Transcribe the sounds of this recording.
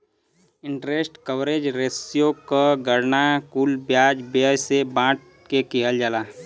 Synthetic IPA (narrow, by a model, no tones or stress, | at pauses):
ɪ̃ɳʈɾesʈkəwɾed͡ʒɾesijokəɡəɾnakuːlbjaːd͡ʒbjəd͡ʒsebãːʈ̚ | kekiɦəld͡ʒaːlaː